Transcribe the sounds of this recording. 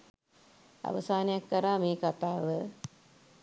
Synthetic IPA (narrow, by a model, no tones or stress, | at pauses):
a̰ʋəsaːnejakːəɾaːmeːkat̪aːʋə